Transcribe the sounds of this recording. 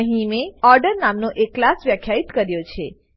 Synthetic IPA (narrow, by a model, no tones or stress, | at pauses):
ɦimeɔɾɖəɾnamnoʔekːlasʋjəkʰjait̪kəɾjot͡ʃʰe